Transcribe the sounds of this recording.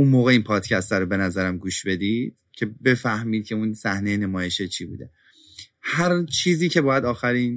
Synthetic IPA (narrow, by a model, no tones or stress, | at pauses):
unmoːɣeiːnpʰɒːd̪̥cʰæst̪æɾobe̞næzæɾæmɡuːʃbe̞d̪iːd̪̥cʰe̞be̞fæhmiːd̪̚cʰe̞unsæhnejene̞mɒːje̞ʃet͡ʃʰiːbṵːd̪e̞ | hæɾt͡ʃʰiːziːcʰe̞bɒːjæd̪ɒːxæɾin